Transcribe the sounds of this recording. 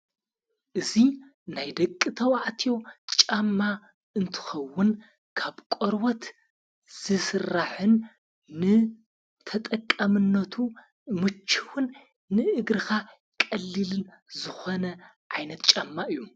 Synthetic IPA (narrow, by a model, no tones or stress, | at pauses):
ʔɨzi | najd̪ɐkʼːɨt̪ʰɐwaʕt̪ʰijo̞t͡ʃʼamːa | ɨnt̪ʰɨ̥xɐwːʊn | kʰaβkʼoɾwot̪ | z̥ɨsɨrːaħɨnː | ɨ | t̪ʰɐt̪ʼɐkʼːɐmɨnːɐt̪ʰu | mɨt͡ʃʰːɨwʊnː | ɨʔɨɡɾɨxa | kʼɐlːilɨnzɨxonɐ | ʕajnɐt̪̚t͡ʃʼamːaʔɨjːu